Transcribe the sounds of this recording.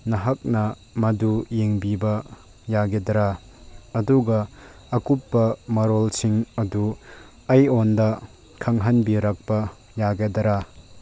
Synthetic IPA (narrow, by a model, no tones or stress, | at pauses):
nɐɦak̚nɐ | mɐdujeŋbibɐ | jaɡedɐɾa | ɐduɡɐː | kupːɐmɐɾolsiŋɐdu | ɐjondɐ | kʰɐŋɦanbiɾak̚pɐ | jaɡedɐɾa